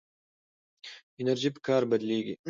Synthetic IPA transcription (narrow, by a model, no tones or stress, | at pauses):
ineɾʒibkaːɾbɐd̪liːɡʲḭ